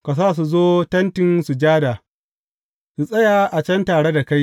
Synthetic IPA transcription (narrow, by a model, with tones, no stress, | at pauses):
ka˨s̬aː˦˨s̬u˨zoː˦tɐ˦ntɪ˨nsu˨d͡ʒaː˦daː˨ | su˨sʼɐ˦jaː˨ʔa˨t͡ʃɛ˦ntaː˨ɽe˦da˨ka˦j